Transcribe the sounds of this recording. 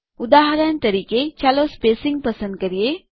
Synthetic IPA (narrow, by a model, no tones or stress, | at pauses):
ʊd̪aːɦəɾənt̪ɐɾiːket͡ʃaːlospeːsɪ̃ŋɡ̚pɐsə̃nd̪̚kɐɾie